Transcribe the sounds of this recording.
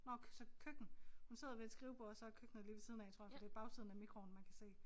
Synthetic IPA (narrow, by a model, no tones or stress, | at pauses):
nɒsɒ̽kʰøɡ̥n̩hunse̝ð̰ˠɐʋe̝d̥sɡ̥ʁiʊb̥usɒ̽ækʰøɡ̥n̩ð̩ˠliʋesiːð̞ˠnæɪt͡sʰo̝ɐ̰jfɒd̥e̝b̥ɑ̈ʊsʰiðˠn̩æmiɡ̥ʁo̝n̩mænkʰæse̝̰ː